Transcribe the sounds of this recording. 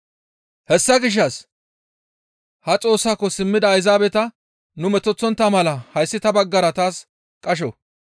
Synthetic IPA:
hɛsːɐɡɪʃ̬ːɐs | hɐt͡sʼo̞ːsːaːkːɔsɪmːɪd̪ɐːjzaːbɛt̪ɐ | nʊmɛt̪ːɔt͡sːɔnt̪ːɐmɐlɐhɐjsːɪt̪ɐbɐɡːɐɾɐt̪aːs | kʼɐʃ̬ɔ̰

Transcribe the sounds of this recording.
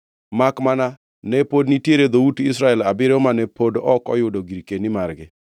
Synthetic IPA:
makmana | nɛpodnitjeɾed̪outɪsɾaɛlabɪɾomanepodɔkɔ̰jʊdoɡiɾkenimaɾɡɪ

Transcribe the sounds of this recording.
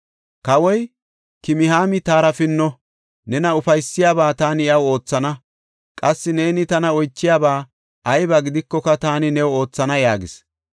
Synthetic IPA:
kɐwɔj | kɪmɪhaːmɪt̪aːɾɐfɪnːɔ | nɛnɐʊfɐjsːɪjaːbaːt̪aːnɪɐwo̞ːt͡sːɐnɐ | kʼɐsːɪne̞ːnɪt̪ɐnɐɔjt͡ʃːɪjaːbaː | ʔɐjbɐɡɪd̪ɪkːɔkɐt̪aːnɪnɛwo̞ːt͡sːɐnɐjaːɡɪs

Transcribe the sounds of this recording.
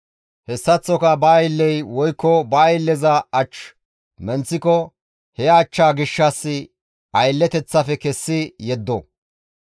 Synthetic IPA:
hɛsːɐt͡sːɔkɐbɐːjlːɛjwɔjkːɔbɐːjɪlːɛzɐɐt͡ʃ | mɛnt͡sːɪkɔ | hɛːt͡ʃːaːɡɪʃːɐsːɪ | ɐjlːɛt̪ɛt͡sːɐfɛkɛsːɪjɛd̪ːɔ

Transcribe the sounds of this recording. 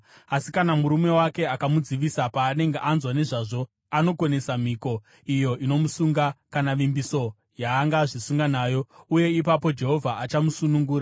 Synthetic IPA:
asikanamuɾume̞wake̞akamud͡ziʋisapaːne̞ŋɡeʔanzwane̞ʐaʐo̞ | ano̞ko̞ne̞samiko̞ | ijo̞ʔino̞musuŋɡakanaʋimbiso̞ | jaːŋɡaʐisuŋɡanaːjo̞uje̞ipapo̞d͡ʒe̞ɦo̞vʱaat͡ʃamusunuŋɡuːɾa

